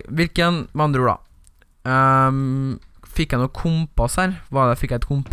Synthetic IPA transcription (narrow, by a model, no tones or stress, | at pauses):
ʋɪlkənmɑnd̪ɾuːɽɑ̰ | fɪkːjæɪnuːkʰʊmpɑshæːɾʋɑd̪ɛfɪkːæɛt̪kʰʊmp